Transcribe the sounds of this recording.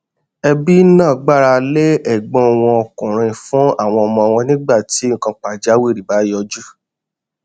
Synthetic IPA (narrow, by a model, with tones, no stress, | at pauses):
ɛ˧bi˦nãː˦˨ɡ͡ba˦˨ɾa˧le˦ɛ˦˨ɡ͡bɔ̃˧˦˨w̃ɔ̃˧ɔ˧kũ˨ɾ̃ĩ˧fũ˦a˦˨w̃ɔ̃˧ɔ˧mɔ̃˧w̃ɔ̃˧nĩ˦ɡ͡ba˦˨ti˨˦ŋ̩˦˨kã˧k͡pa˨d͡ʒa˨˦wi˦˨ɾi˨ba˨˦jɔ˧d͡ʒu˦